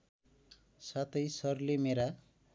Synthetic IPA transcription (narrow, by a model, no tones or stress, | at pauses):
sat̪ʰʌjsʌrlemeɾa